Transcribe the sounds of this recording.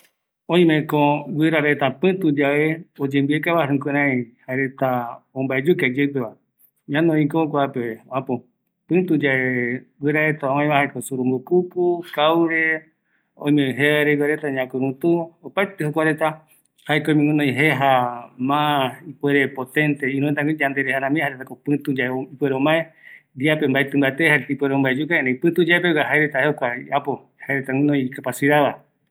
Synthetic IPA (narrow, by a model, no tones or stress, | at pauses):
õĩmẽkõɡweɾaɾet̪apɨ̃t̪ud͡ʒaʔeod͡ʒẽmbiekaβaɾũkɨɾ̃ãĩhaeɾe̞t̪aõmbaed͡ʒukad͡ʒep̬eβa | ɲãnõĩkokʷaapeõãpõ | pɨ̃t̪ud͡ʒaewʷeɾaɾe̞t̪aõãj̃βãhaekosuɾũmbopupukawɾe | õj̃mẽɦeaeɾeɡaɾet̪aɲãkuɾũt̪uopaet̪ehokʷaɾet̪a | haekomĩŋũnõj̃ɦeɦamãipweɾepot̪ẽnt̪eĩnũet̪̬aɡid͡ʒand̪e̞ɾehanãmĩhaɾet̪akopɨ̃t̪ud͡ʒaeipweɾeõmbaed̪iapembaet̪ɨ̃mbaet̪ehaɾet̪aipweɾeõmbaed͡ʒukaẽnẽpɨ̃t̪ud͡ʒaepewaɦaeɾet̪aheokʷaḭapo | haeɾet̪awĩnõjkapasiɾaβa